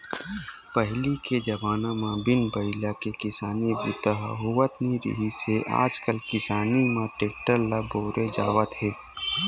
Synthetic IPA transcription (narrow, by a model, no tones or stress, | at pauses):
pəɦliked͡ʒɐbaːnãmãbɪnbəɪlakekɪsaːnibʊt̪əɦɦoʋət̪niɾḭɦiseʔa̰ːd͡ʒkəlkɪsaːnimãʈeːk̚ʈəɾlaboːɾed͡ʒaːʋət̪ɦeː